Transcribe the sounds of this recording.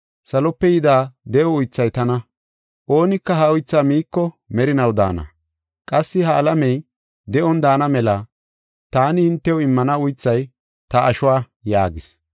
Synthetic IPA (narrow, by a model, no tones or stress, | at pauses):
sɐlɔpːɛjɪd̪aːd̪ɛʔɔʊjt͡sːɐjt̪ɐnɐ | ʔo̞ːnɪkːɐɦɐʊjt͡sːaːmiːkːɔ | mɛɾɪnɐwd̪a̰ːnɐ̰ | kʼɐsːɪhɐːlɐmɛj | d̪ɛʔɔnd̪aːnɐmɛlɐ | t̪aːnɪhɪnt̪ːɛwɪmːɐnɐʊjt͡sːɐj | t̪ɐʔːʃʊwaː | ja̰ːɡɪs